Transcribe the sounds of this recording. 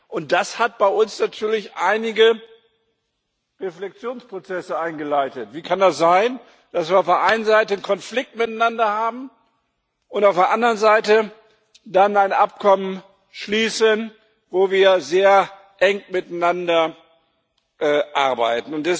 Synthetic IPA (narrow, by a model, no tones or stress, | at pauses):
ʔʊnt̚d̥ashat̚b̥aɪʔʊnsnatʰyːɐlɪçʔaɪnɪɡə | ʁeflɛk̚t͡sjoːnspʁ̥ot͡sɛsəaɪnɡəlaɪtətv̥iːkʰandasz̥aɪn | d̥asviːɐaʊfd̥eːɐʔaɪnənzaɪtənkʰɔnflɪk̚tmɪtanandɐhaːbm̩ | ʊntaʊfd̥eɐʔandəʁənzaɪtə | danaɪnʔap̚kʰɔmən | ʃliːsən | voːviːɐzeːɐ | ʔɛŋmɪtaɪnandɐ | ʔɛʔaɐbaɪtn̩ʊntd̥ɛs